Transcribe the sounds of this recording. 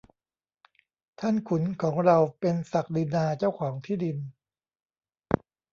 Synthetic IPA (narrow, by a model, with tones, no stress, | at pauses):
t̪ʰa˥˩nkʰu˩˦nkʰɔː˩˦ŋɾa˧wpe˧nsa˨˩k̚di˧naː˧t͡ɕa˥˩wkʰɔː˩˦ŋt̪ʰiː˥˩di˧n